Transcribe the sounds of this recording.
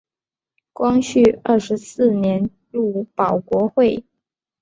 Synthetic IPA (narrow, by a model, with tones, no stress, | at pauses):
kwɑ˥ŋɕy˥˧˩ə˥˩ʂɻ̩˧˥sɹ̩˥˩njɛ˧˥n | ɻu˥˩pɑ˨˩ʊkwɔ˧˥xwe˥˩ɪ